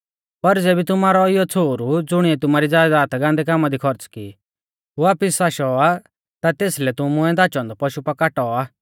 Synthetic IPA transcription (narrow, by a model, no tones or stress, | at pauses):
pɐɾd͡zeːbit̪̬ʊmaːɾɔɪjɔt͡sʰoːɾud͡zʊɽ̃iɛt̪ʊmaːɾid͡zaːd̪aːt̪ɡãːnd̪ɛkaːmad̪ikʰɔɾət͡ski | ɦuaːpɪsːaːʃɔa | t̪at̪eːslɛt̪ʊmʊ̃ɛ̃d̪aːt͡ʃɔ̃ːnd̪ɔpɐʃupɐkaːʈɔaː